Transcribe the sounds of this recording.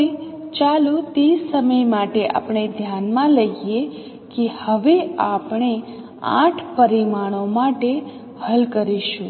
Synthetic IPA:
et͡ʃalut̪isəməjmaʈeʔa̰pɳ̃ed̪ʱjanmãləije | kehəʋeapɳ̃e | ã̰ʈʰpəɾimaɽ̃omaʈe | həlkəɾiʃũ

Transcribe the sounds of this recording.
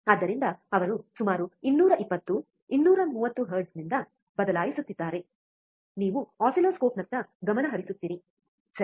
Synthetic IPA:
ɐd̪ːɐɾind̪ɐɐʋɐɾusumaːɾuinːuːɾɐʔipːɐt̪ːu | inːuːɾɐmuːʋɐt̪ːuɦɐːɾɖsnind̪ɐ | bɐd̪ɐlaːjisut̪ːid̪ːaːɾe̞ | niːʋuaːsiloːskoːpnɐnt̪ːɐɡɐmɐnɐɦɐɾisut̪ːiːɾi | sɐ

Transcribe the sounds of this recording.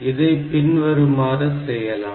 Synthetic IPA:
ɪðɐɪpɪnʋɐɾɯmaːɾɯsɛjːɐla̰ː

